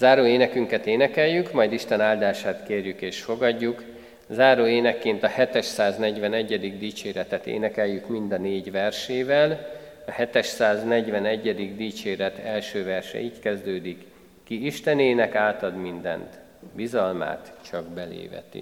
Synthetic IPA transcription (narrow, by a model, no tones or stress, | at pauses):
zaːɾoːeːnɛkyŋkɛt̪eːnɛkɛjjykmɒjd̪iʃt̪ɛnaːld̪aːʃaːt̪keːrjykeːʃfo̞ɡɒɟːuk | zaːɾoːeːnɛkːeːnt̪ɒhɛt̪ɛʃsaːznɛɟvɛnɛɟːɛd̪iɡd̪iːt͡ʃeːɾɛt̪ɛt̪ḛːnɛkɛjːykmind̪ɒneːɟvɛrʃeːvɛl | ɒhɛt̪ɛʃsaːznɛɟvɛnɛɟːɛd̪iɡd̪iːt͡ʃeːɾɛt̪ʰɛlʃøːvɛrʃɛ̰iːckɛzd̪øːd̪ikː | iiʃt̪ɛneːnɛkaːt̪ɒd̪mind̪ɛ̰nt̪ | bizɒlma̰ːt̪t͡ʃɒɡbɛlḛːvɛ̰t̪ḭ